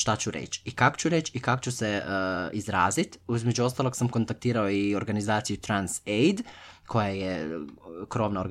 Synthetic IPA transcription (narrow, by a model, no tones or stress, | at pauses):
ʃt̪at͡ɕuɾḛt͡ɕikako̥t͡ɕuɾet͡ɕikakot͡ɕuseizɾaːzit̪uzmed͡ʒuo̞st̪alˠo̞ɡsamko̞nt̪ak̚t̪iːɾaoio̞ɾɡanizaːt̪sijut̪ɾansejd̪kʰo̞jaje | kɾo̞ʋnao̞ɾɡ